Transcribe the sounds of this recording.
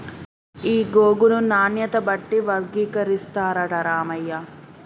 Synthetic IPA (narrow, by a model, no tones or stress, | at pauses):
iːɡoːɡununaːnjɐt̪ɐbɐʈːiʋɐɾɡiːkɐɾist̪aːɾɐɖɐɾaːmɐjːɐ